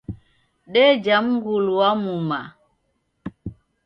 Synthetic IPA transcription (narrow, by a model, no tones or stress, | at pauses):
ɗɛd͡ʒam̩ŋɡuluwamuma